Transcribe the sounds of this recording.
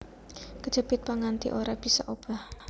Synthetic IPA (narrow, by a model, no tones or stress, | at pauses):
kəd̥ʒ̥ə̤b̥ɪt̪̚paŋant̪ḭʔoɾab̥isɔ̰ʔob̥a̤h